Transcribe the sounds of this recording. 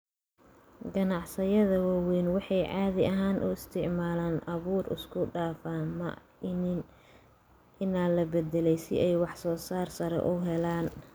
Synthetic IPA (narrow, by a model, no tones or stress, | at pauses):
ɡɐnɑʕsɐjɐðɐwɑwɛːnwɑħɑjʕɑːðɪʔɐɦaːnʔʊ̰ɪst̪ʰɪʕmaːlaːnɐβuːrɪ̰skʰʊɖaːfaːmɐ̰ | ɪnaːlɐbɛd̪ɛlɛjsɪ̰ʔɛjwɑħsɔːsaːrsɐɾɛ̰ʔʊɦɛlaːn